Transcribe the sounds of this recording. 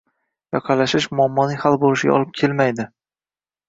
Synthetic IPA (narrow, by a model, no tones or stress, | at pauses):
jɒqʰɑlaʃɪʃmʊamːɒnɪŋhalˠbolɪʃɪɡʲa̰ɒ̰lˠɪp̚kʲʰe̞lmajd̪ɪ